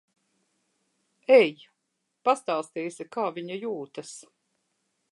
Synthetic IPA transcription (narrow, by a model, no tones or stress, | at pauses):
ɛj | past̪aːst̪iːsʲikaːviɲɐjuːt̪ɐs